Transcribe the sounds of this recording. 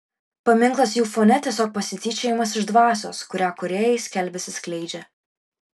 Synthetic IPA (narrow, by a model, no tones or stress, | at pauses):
pɐmʲɪŋklˠɐsjuːfonʲɛt̪ʲiɛsʲoːk̚pɐsʲɪt̪ʲiːt͡ʃʲɛjɪmɐsɪʒd̪ʋɑːsʲo̰ːskʊɾʲæːkʊɾʲeːjɛɪsʲkʲɛlʲbʲɛsʲɪsklʲɛɪd͡ʒʲɛ